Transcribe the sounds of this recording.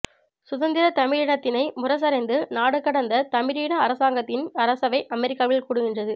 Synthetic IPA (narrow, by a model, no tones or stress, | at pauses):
sʊðɐnd̪ɪɾɐt̪ɐmɪɾɪɽɐt̪ːɪnɐɪmʊrɐs̬ɐɾɐɪnd̪ɯnaːɽɯkːɐɽɐnd̪ɐt̪ɐmɪɾiːɽɐːɾɐsaːŋɡɐt̪ːɪnɐɾɐsɐʋɐɪʔɐmɛɾɪkːaːʋɪlkuːɽɯɣɪndrɐðɯ